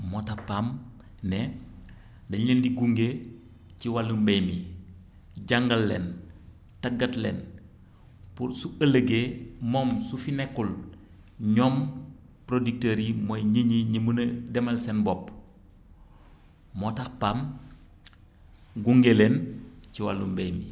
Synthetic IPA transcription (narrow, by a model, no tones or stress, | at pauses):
motapaːm | nɛ | dɐɲəndiɡuŋɡe | ciwalːumbejmi | ɟaŋɡɐlːḛːn | tɐɡɐtlɛ̰n | pusuɐləɡemɔːmsufinɛkːul | ɲɔːm | pɾodik̚teɾimojɲiɲiɲimundɛmɐlsɛnbɔp | motakpam | ɡuŋɡelenciwalːumbejmi